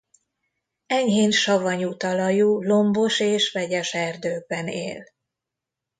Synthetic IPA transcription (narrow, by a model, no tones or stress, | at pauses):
ɛɲɦeːnʃɒvɒɲut̪ɒlɒjuːlo̞mbo̞ʃeːʃʋɛɟɛʃɛrd̪øːɡ̚bɛnḛːl